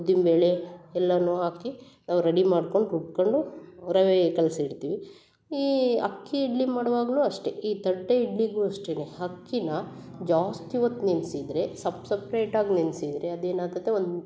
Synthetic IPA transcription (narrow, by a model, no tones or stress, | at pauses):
d̪imbeːle̞ɛlːɐnuːɦaːki | naːʋɾɐɽimaːɖko̞ɳɖup̚koɳɖuɾɐʋekɐlsiɽt̪iːʋi | iːɐ̰kːiːɖlimaːɽʋaːɡɐluːɐʂʈe̞ʔiːt̪ɐɖːɐiɖliɡuɐʂʈeneɦɐkːinɐ | d͡ʒaːst̪iʋɐt̪ːninsid̪ɾe̞sɐbsɐpɾeːʈaːɡninsid̪ɾe̞ɐd̪eːnaːnt̪ɐt̪ːeond̪